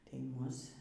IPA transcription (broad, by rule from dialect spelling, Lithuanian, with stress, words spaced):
tɐɪ ˈmʊs